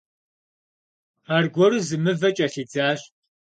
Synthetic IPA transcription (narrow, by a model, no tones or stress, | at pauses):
aːrɡʷɔɾɨzɨmɨvɐt͡ʃʼɐɬiːd͡zaːɕ